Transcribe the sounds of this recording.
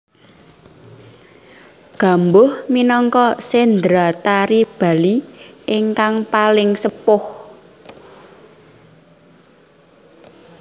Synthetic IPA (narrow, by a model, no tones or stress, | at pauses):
ɡ̥a̤mbʊhminɔŋkɔsend̪ɾat̪aɾib̥a̤liʔɪŋkaŋpalɪŋsəpʊh